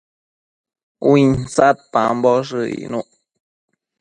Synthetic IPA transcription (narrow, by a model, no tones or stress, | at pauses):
win̩sat̚pambɔʂɨḭnuʔ